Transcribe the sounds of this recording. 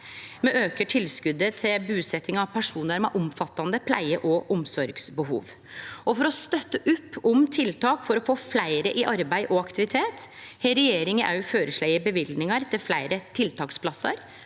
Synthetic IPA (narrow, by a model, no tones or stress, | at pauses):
mɛʔøːkəʈʰɪlskʉd̪ːət̪ʰɪlbʉːsɛt̪ːɪŋɑʋpʰæʂuːnəɾmɛ̰ʔʊmfɑt̪ːɑnd̪əpʰlæ̰ɪəʔɔʔɔmsɔɾɡsbəɦṵːʋ | ɔfɔɾɔst̪œt̪ːəʔʉpːɔmt̪ʰɪlt̪ʰɑːkfɔɾɔfoːflæɪɾəʔɪʔɑɾbæɪʔɔɑkt̪ɪʋɪt̪ʰeːt̪hɛɪɾɛjeːɾɪŋəʔæ̰ɾjʊføːɾəʂɭæɪəbəʋɪlnɪŋɑɾt̪ʰɪlflæɪɾət̪ʰɪlt̪ʰɑːkspʰlɑsɑ̰ɾ